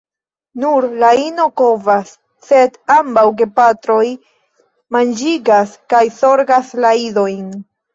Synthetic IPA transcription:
nuɾlaino̞kovasː | e̞dambawɡe̞patɾo̞j | mand͡ʒiɡaskajso̞ɾɡaslaido̞jn

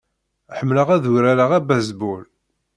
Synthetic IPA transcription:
ħəmːləʁæðʊɾaɾaʁæbæzbul

